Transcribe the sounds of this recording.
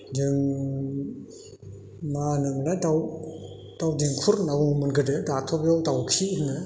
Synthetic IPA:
d͡ʒɯŋ | manɯmladaw | tawdiŋkʰuɾnawuŋmɯnɡɯdedat̪ʰɔp̚jɔtawkʰinɯ

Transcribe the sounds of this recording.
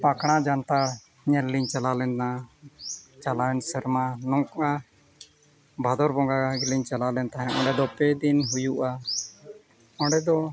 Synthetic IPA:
pakɽ̃ad͡ʒant̪a | ɲɛlliɲt͡ʃalalɛna | t͡ʃalansəɾmanɔ̃ŋkɔʔa | bʱad̪ɔɾbɔŋɡaɡiliɲt͡ʃalalɛnt̪aɦɛ̃ʔɔ̃ɳɖɛd̪ɔpɛd̪inɦujuʔa | ɔ̃ɖɛd̪ɔ

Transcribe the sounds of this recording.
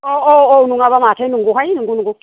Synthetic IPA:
ɔɔɔunuŋaβamatʰainiŋɡuhajiniŋɡunuŋɡu

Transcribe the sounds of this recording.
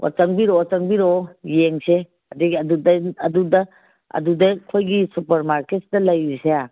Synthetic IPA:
wa̰t͡ʃɐŋbiɾot͡ʃɐŋbiɾojeŋse | ɐdiɡɐdudɐɐdudɐ | ɐ̰dudɐkʰojɡisupɐɾmaɾketsdɐlɐjɾisea

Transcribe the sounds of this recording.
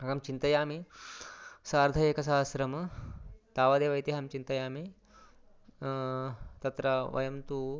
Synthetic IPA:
ɐɡɐmt͡ʃint̪ɐjaːmi | saːɾd̪ʱɐjeːkɐs̬aːɐsɾɐmɐt̪aːʋad̪eːʋɐjt̪iɦɐmt͡ʃint̪ɐjaːmi | t̪ɐt̪ɾɐʋɐ̰jɐmt̪u

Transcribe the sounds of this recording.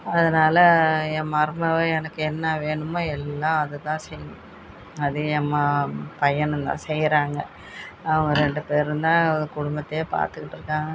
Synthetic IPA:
ɐðɐnaːlɐɛmɐɾmɐʋɐɛnɐkːɯɛnːɐʋeːɳɯmːoːɛlːãːɐðɯt̪ãːsɛjː | ɐðɯɛmːapɐjɐɳɯnt̪ã̰ːsɛjɾaːŋɡɐ | ɐʋɐŋɡɐɾɛɳɖɯpeːɾɾɯnd̪ãːɔɾɯkʊɽʊmbɐt̪ːɐjeːpa̰ːɾt̪ɯkːɪʈːɯɾɯkːãːŋɡɐ

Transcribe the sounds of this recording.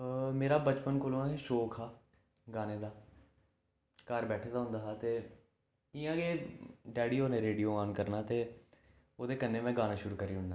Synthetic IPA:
meːɾaːbət͡ʃpənkoːlõːaːeːʃoːkʰaː | ɡaːneːd̪aː | kəɾbɛːʈʰeːd̪aːɦʊ̃nd̪aːɦat̪eː | ijãːɡeːɖɛːɽiːɦoːnẽːɾeːɖijoːaːnkəɾnaːt̪eː | oːd̪eːkənːeːmɛ̃ːɡaːnaːʃʊɾuːkəɾiːɦʊɳnaː

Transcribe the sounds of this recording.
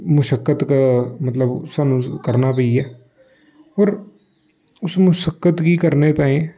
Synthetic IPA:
mʊʃəkːət̪kamət̪ləbsaːnũkəɾnaːpəiɛː | ɔːɾ | ʊsmʊʃəkːət̪kiːkəɾneːt̪aːẽː

